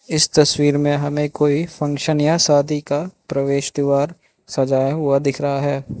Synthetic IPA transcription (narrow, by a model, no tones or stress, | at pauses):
ɪst̪ɐswiːɾmẽɦɐmẽkoːifʰɐ̃ŋkʃənjasaːd̪ʱikapɾɐʋeːʃd̪ɪʋaːɾ | sɐd͡ʒaːjaɦʊad̪ɪkʰɾɐɦaɦɛː